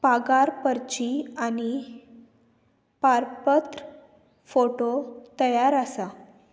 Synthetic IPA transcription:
paɡaɾpəɾt͡ɕiani | paɾpət̪ɾə | foʈot̪əjaɾəsa

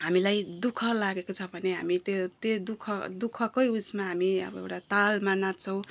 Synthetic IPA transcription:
ɦamilajd̪ukʰʌlaɡekot͡sʰʌbʱʌneɦa̰mit̪ot̪od̪ukʰʌd̪ukʰʌkojusmaɦamiʌ̰bʌḛwʈat̪almanat̪t͡sʰʌ̃w̃

